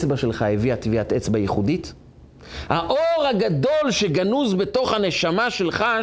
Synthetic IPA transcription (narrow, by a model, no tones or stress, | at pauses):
t͡sbaʃe̞lχaeviat̪iviat̪et͡sbajeχudit | haʔo̞ʁhaɡado̞lʃe̞ɡanuzbe̞to̞χhane̞ʃamaʃe̞lχa